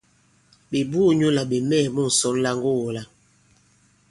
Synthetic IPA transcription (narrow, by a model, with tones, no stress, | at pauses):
be˨bu˦˨ɲo˦la˨ɓe˨mɛː˦˨mu˦n̩˨sɔ˨˦n˦la˦ŋɡo˦˨wo˨la˦